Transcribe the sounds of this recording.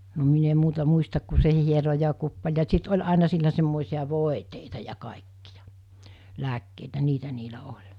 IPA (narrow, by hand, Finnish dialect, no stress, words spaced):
no min em muːtɑ muistɑk ku se hiero jɑ kupːɑĕl jɑ sit olʲ ɑˑinɑ silːæ semːoˑisij̆ɑ ʋoˑeteitɑ jɑ kɑˑekːijɑ̥ læːkːeitæ niːtæ niːlæ olʲ